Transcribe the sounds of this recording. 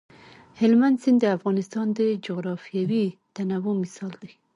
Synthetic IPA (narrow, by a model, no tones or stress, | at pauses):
hɪlmand̪sɪnd̪d̪əafɣɑnɪst̪ɑnd̪əd͡ʒoɣɾɑfjawit̪anawomɪsɑld̪a